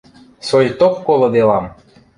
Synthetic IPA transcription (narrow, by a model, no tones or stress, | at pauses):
sojt̪okːolˠɤ̆d̪elɑm